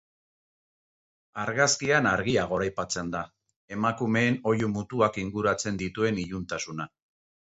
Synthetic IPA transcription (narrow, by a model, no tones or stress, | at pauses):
aɾɣaskianaɾɣiaɣ̞o̞ɾajpat͡se̞nd̪a | e̞makume̞ːno̞jumut̪uakiŋɡuɾat͡se̞nd̪it̪ue̞niʎunt̪asuna